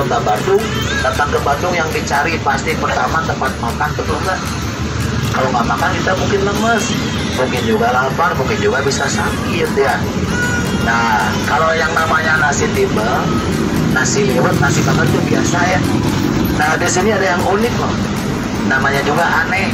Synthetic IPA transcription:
ət̪abandʊŋ | t̪ət̪at̪̚kəbandʊŋjaŋdit͡ʃaɾipast̪ipərt̪a̰mant̪əmpat̪̚makat̪̚kət̪uŋɡaʔ | kalokamakarkit̪amuŋkɪnləməs | muŋkɪnd͡ʒuɡalafarmuŋkɪnd͡ʒuɡabisasakit̪uja | na | kalojaŋnamaɲanasɪht̪imbəl | nasɪhlewət̪̚nasiht̪abandʊŋbia̰saja | nahdisiniadajaŋunɪk̚a | namaɲad͡ʒuɡaʔanɛh

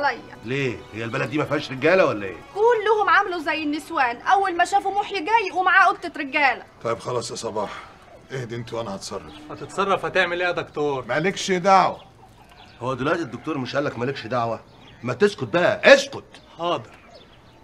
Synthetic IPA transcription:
læjːæleːhejːælbælæd̪ːiːmæfihæʃɾeɡæːlæwælːæʔḛːʔuːlːohomʕamluzæjːenːeswæːnʔæwːælmæʃæːfumoħjɡæjːʔwemaʕaːʔoɡ̚t̪et̪ɾeɡːæːlæ̰t̪ˤɑjebxɑlɑːsˤjɑsˤɑbɑːħ | ʔehd̪iʔent̪uwʔænæhɑt̪sˤɑrˤːɑ̰fhæt̪et̪sˤɑrˤːɑfhæt̪eʕmelʔeːæd̪ɑkt̪oːɾˤmælekʃed̪aʕwæ | howːæd̪olæːt̪ed̪ːok̚t̪oːɾmeʃʔælːækmælekʃd̪aʕwæ | mæt̪eʃkot̪̚bæʔæʔeʃkot̪xɑːd̪eɾɾ

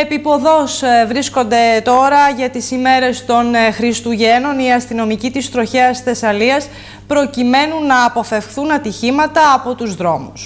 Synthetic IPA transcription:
epipo̞ðo̞svɾisko̞nd̪e̞t̪o̞ɾɐʝɐt̪isime̞ɾe̞st̪o̞nxɾist̪uʝe̞no̞niɐst̪ino̞micit̪ist̪ɾo̞çeɐsθe̞sɐliɐs | pɾo̞cime̞nunːɐːpo̞fe̞fxθunɐt̪içimɐt̪ɐːpo̞t̪uzðɾo̞mus

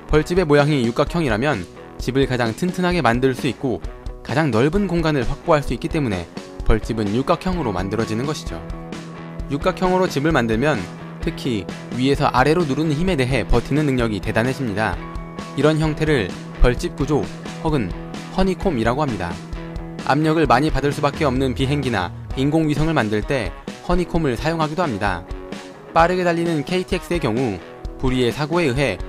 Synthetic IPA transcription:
pʌɭt͡ɕ͈ibe̞mojaŋijuk͈akʰjʌŋiɾamjʌn | t͡ɕibɯɭkad͡ʑaŋtʰɯntʰɯnɦaɡe̞mandɯɭs͈uik̚k͈okad͡ʑaŋnʌɭbɯnɡoŋɡanɯɭɸwak̚p͈oɦaɭs͈uik͈it͈e̞mune̞̰pʌɭt͡ɕ͈ibɯnjuk͈akʰjʌŋɯɾoma̰ndɯɾʌd͡ʑinɯnɡʌɕʰid͡ʑo̰ | juk͈akʰjʌŋɯɾot͡ɕibɯɭmandɯɭmjʌn | tʰɯkʰi | ɥie̞sʰʌ̰ʔaɾe̞ɾonuɾɯnɯnçime̞de̞ɦe̞pʌtʰinɯnːɯŋɲʌɡite̞danɦed͡ʑʰimɲida̰ | iɾʌnçjʌŋtʰe̞ɾɯɭ | pʌɭt͡ɕ͈ip̚k͈ud͡ʑo | hʌɡɯn | hʌɲikʰomiɾaɡohamɲida̰ | a̰mɲʌɡɯɭmaɲipadɯɭs͈ubak͈e̞ʌmnɯnpiɦe̞ŋɡina̰ | inɡoŋɥisʰʌŋɯɭmandɯɭt͈e̞hʌɲikʰomɯɭsʰajoŋɦaɡidoɦamɲida̰ | p͈aɾɯɡe̞daʎːinɯnkʰe̞itʰek̚s͈ɯe̞kjʌŋu | puɾie̞sʰaɡoe̞ɯɦe̞

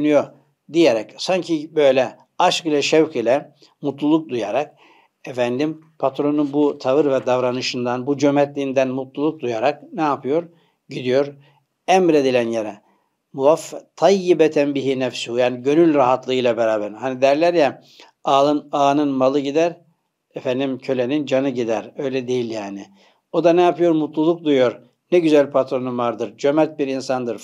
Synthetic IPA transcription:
ynyjoɾ | d̪ijeɾɛcsaɲcʰibø̞jlʲɛ | aʃkilʲɛʃɛvkʰilʲɛ | mut̪lˠulˠuk̚d̪ujaɾak̚ | ɛfænd̪im | pʰat̪ɾo̞nunbut̪ʰavɯɾvɛd̪avɾanɯʃɯnd̪anbud͡ʒømɛt̪lʲiːnd̪ænmut̪lˠulˠuk̚d̪ujaɾak̚nɛapʰɯjo̞ɾ | ɟid̪ijo̞ɾ | ɛmɾe̞d̪ilʲænjeɾɛ | muvaft̪ʰɑjːibɛt̪ʰænbiɦinɛfsujaːniɟø̞nylʲɾaɦat̪lˠɯɯjlˠabeɾaːbæɾhanid̪æɾlʲæɾjɛ | aːlˠɯnaːnɯnmalˠɯɟid̪æɾ | efænd̪imcʰø̞lʲenind͡ʒanɯɟid̪æɾøjlʲɛd̪e̞jilʲjaːnɪ | o̞d̪anɛjapɯjo̞ɾmut̪lˠulˠuk̚d̪ujoɾ | nɛɟyzælʲpʰat̪ɾo̞numvaɾd̪ɯɾd͡ʒømɛt̪̚biɾinsand̪ɯɾ

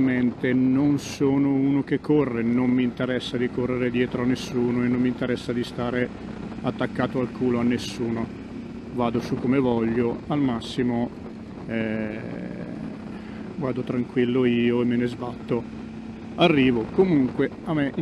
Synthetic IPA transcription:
ment̪enonsoːnouːnok̟ekːorːenommiːnt̪eɾɛsːad̪ikorːeɾed̪jɛːt̪ɾoanːesːuːnoenːomːint̪eɾɛsːad̪ist̪aːɾe | at̪ːakːaːt̪oalkʰuːloanːesːuːno | vaːd̪osukːomevɔʎːoalmasːimo | ɛ | vaːd̪ot̪ɾaŋkwilːoiːoemːenezbat̪ːo | arːiːvokomuŋkwe | ameʔ

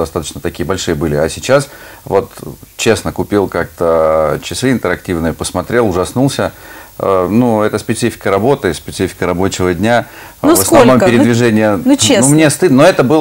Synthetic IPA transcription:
ɐst̪at̪ə̥t͡ɕnət̪ɐkʲijəbɐlʲʂɨjəbɨlʲɪɐsʲɪt͡ɕasvo̞t̪t͡ɕe̞snəkʊpʲilˠkak̚t̪ət͡ɕɪsɨɪnt̪əɾɐktʲivnɨjəpəsmɐt̪ɾʲe̞lˠʊʐɐsnulˠsʲə | nuɛt̪əspʲɪt̪sɨfʲɪ̥kəɾɐbo̞t̪ɨspʲɪt̪sɨfʲɪ̥kəɾɐbot͡ɕɪvədʲnʲa | nsvəsɐvvno̞mpɪɾɪvʲɪʐɛnʲɪjəumnʲest̪ɨd̪noɛt̪əbɨlˠ

